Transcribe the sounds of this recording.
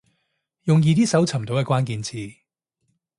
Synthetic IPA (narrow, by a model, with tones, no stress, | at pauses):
jʊ˨ŋjiː˨˧t̪iː˥sɐ˨˥wt͡sʰɐ˨˩mt̪o˨wkɛ˧kwaː˥nkiː˧nt͡sʰiː˧